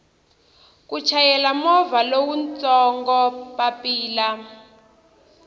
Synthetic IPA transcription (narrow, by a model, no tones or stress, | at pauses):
kut͡ʃʰajɛlamɔvalowunt͡sʼɔŋɡɔpapʼiːla